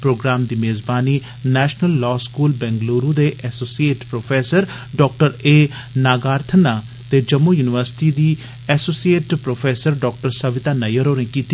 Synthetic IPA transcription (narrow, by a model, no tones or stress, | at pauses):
pɾoːɡɾaːmd̪iːmeːzbaːniː | nɛːʃnəlːɔːskuːlbɛ̃ːŋɡloːɾũːd̪eːʔɛːsoːsieːʈpɾoːpʰeːsəɾ | ɖɔːk̚ʈəɾeː | naːɡaːɾt̪ʰənaː | t̪eːd͡ʒəmːuːjuːnɪʋəɾsɪ̥ʈiːd̪iː | ɛːsoːsieːʈpɾoːpʰeːsəɾɖɔːk̚ʈəɾsəʋɪt̪aːnəjəɾoːɾẽːkiːt̪